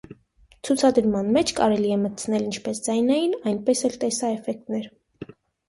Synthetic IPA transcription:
t͡sʰut͡sʰɑd̪əɾmɑnmɛt͡ʃʰkɑ̰ɾɛliɛmət͡sʰnɛlint͡ʃʰpɛsd͡zɑjnɑjinɑjnpɛsɛlt̪ɛsɑɛfɛk̚t̪nɛɾ

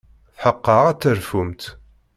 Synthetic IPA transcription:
θħəqːəʁæt͡sːəɾfumt̪

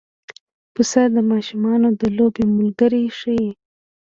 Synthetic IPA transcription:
pusad̪əmɑʃumɑnod̪əlobemʊlɡəɾiʂəji

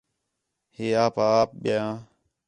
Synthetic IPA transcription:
heːaːpaːp̚ɓaãː

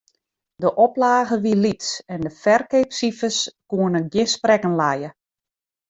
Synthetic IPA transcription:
dəʔɔplaːɣəʋilitsɛndəfɛrkepsifəskuənəɡjɪnsprɛkənlajə

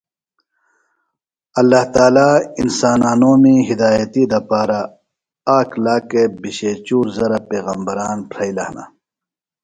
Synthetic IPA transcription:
ɐlːaːht̪aːlaːinsaːnaːnoːmiɦid̪aːjɐt̪id̪ɐpaːɾa | aːkʰlaːkebiɕeːt͡ɕuːɾzɐɾapeːɣɐmbɐɾaːnpʰɾɐilɐhna̰

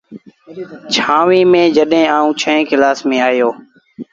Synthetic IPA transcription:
t͡ʃʰãːʋiːmẽːd͡ʒəɗɦẽːaːũːt͡ʃʰə̃ɦẽːkɪlaːsmẽːaːjoː

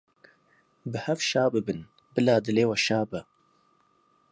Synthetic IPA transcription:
bɨhɛfʃaːbɨbɨn | bɨlaːd̪ɨleːwɛʃaːbɐ

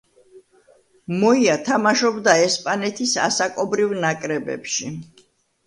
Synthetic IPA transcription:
mɔiat̪ʰamaʃɔbd̪aɛspʼanɛt̪ʰisa̰sakʼɔbɾivnakʼɾɛbɛ̰pʃi

